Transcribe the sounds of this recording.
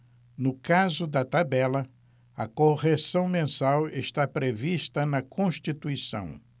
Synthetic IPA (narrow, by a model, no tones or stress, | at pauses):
nʊkazʊd̪ɐt̪abɛlɐ | ɐkoʁesɐ̃w̃mẽsaweʃt̪apɾeviʃt̪ɐnɐkõʃt͡ʃit̪uisɐ̰̃w̃